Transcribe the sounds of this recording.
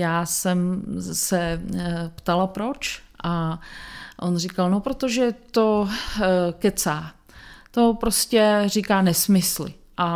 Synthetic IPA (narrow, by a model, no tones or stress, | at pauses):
jaːsɛmsɛ | pt̪alapɾo̞t͡ʃʔa | ʔonrikalnopɾot̪oʒɛt̪o | kɛt͡saː | t̪o̞pɾoscɛrikaːnɛsmɪslɪ̰ | ʔa